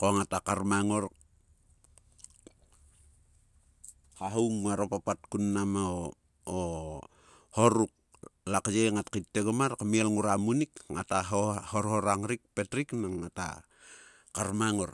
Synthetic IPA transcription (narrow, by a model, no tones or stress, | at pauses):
koŋatakaɾmaŋo̞ɾ | kaɦuwmːaɾopapat̚kunːamao | o | hoɾuk̚ | lakd͡ʒeŋatkitːeɡamarkamielŋuɾamunikŋa̰taɦohoɾhoɾaŋɾik̚petɾiknaŋːata̰ | kaɾmaŋoɾ